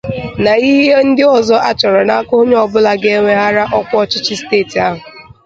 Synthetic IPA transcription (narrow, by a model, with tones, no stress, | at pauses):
na˨i˦ɦe˦n̩˦dɪ˦ɔ˨zɔ˦ʔa˦t͡ʃɔ˨ɾɔ˨na˦a˦kʊ˦ɦʊ˦ɲ˦ɔ˨bʊ˦la˨ɡe˦ŋʷe˦ɦa˦ɾa˦ʔɔ˦kʷɔ˦t͡ʃɪ˦t͡ʃɪ˦steː˦˨ti˨a˦ɦʊ˨